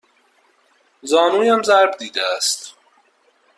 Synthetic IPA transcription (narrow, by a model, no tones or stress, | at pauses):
zɒːnuːjæmzæɾbd̪iːd̪ææst̪